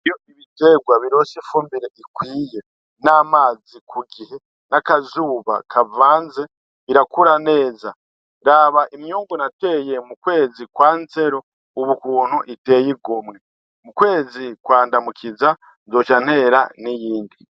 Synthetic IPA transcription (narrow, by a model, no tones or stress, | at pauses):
ijo̞ʔiβite̞ɡwaβiɾo̞sifuːmbiɾeʔikwiːje̞ | naːmaːzikʰuɡihe̞ | nakazuːβa̰kʰavaːnze | βiɾakuɾane̞ːza | ɾaːβaʔimjuːŋɡonate̞je̞mukwe̞ːzikwaːnze̞ɾo̞ | uβukuːn̥huʔite̞ːjiɡomŋe | mukwe̞ːzikwaːndamukʰiza | zo̞ːt͡ʃan̥he̞ɾa̰nijiːndi